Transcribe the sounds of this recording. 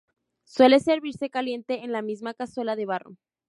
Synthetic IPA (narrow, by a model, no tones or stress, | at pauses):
swe̞le̞se̞ɾβiɾse̞kalje̞nt̪e̞ːnlamizmakaswe̞laðe̞β̞aro̰